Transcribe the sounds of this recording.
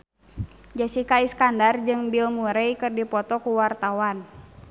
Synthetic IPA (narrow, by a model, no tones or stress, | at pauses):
d͡ʒasikaiskandard͡ʒɨŋbilmuɾɛjkɨrdipɔt̪ɔkuwart̪awan